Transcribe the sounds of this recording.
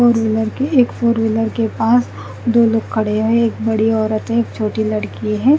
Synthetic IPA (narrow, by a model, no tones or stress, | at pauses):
foːɾʋɪləɾkeeːkfoːɾʋɪləɾkepaːs | d̪oːloːɡ̚kʰːɐɽeɦɛ̃eːk̚bɐɽiɔːɾət̪ɦɛ̃eːk̚t͡ʃʰoːʈilɐɽkiɦɛ̃ː